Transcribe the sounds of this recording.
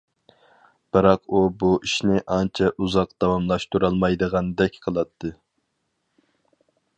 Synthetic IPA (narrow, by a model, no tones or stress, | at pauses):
b̥ɨɾɑqubuʔiʃnɪʔɑnt͡ʃʰɛʔuzɑq̚d̪̥ɑwɑmlˠɑʃt̪uɾɑlˠmɑjd̪əʁɑnd̪ɛkʲqʰəlˠɑt̪ʰːɨ